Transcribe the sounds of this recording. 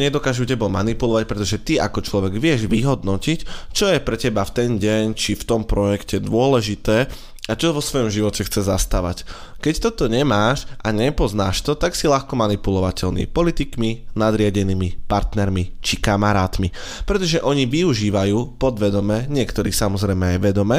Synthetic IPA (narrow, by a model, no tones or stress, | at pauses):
ɲɛd̪ɔkaːʒucɛbɔma̰nipulɔʋac̚pɾɛt̪ɔʒɛt̪ia̰kɔt͡ʃlɔʋɛɡʋɪɛʒʋiɦɔd̪nɔcict͡ʃɔjɛpɾɛcɛbaft̪ɛnɟɛɲt͡ʃift̪ɔmpɾɔjɛkcɛd̪ʊɔlɛʒit̪ɛː | at͡ʃɔʋɔsʋɔjɔmʒiʋɔcɛxt͡sɛzast̪aʋa̰c | kɛct̪ɔt̪ɔɲɛmaːʃʔaɲɛpɔznaːʃt̪ɔt̪aksiʎaxkɔmanipulɔʋacɛʎnḭːpɔlit̪ikminad̪ɾɪaɟɛniːmipaɾt̪nɛɾmit͡ʃikamaɾaːt̪mi | pɾɛt̪ɔʒɛʔɔɲiʋiuʒiːʋajuːpɔd̪ʋɛd̪ɔmɛɲɪɛkt̪ɔɾiːsamɔzɾɛjmɛajʋɛd̪ɔmɛː